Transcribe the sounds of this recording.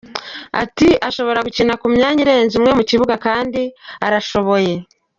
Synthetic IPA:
a̰tiʔaʃo̞βo̞ɾaɡucinakumɲaːɲiɾe̞ːnzimŋe̞muciβuɡakaːndiaɾaʃo̞βo̞je̞

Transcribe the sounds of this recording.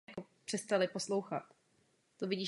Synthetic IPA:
akopr̝̥ɛst̪alɪposlowxat̪ | t̪ovɪɟiː

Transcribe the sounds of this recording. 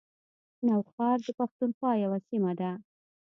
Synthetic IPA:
nawxɑɾd̪əpaxt̪unxwɑjawasimad̪a

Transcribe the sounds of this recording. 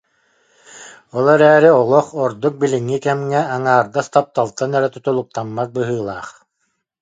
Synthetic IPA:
ɔlˠɛɾɛːɾiɔlˠɔχɔɾd̪uk̚biliŋːikɛmŋɛaŋaːɾd̪ast̪ap̚t̪alˠt̪anɛɾɛt̪ut̪ulˠuk̚t̪amːak̚bɯɦɯːlˠaːχ

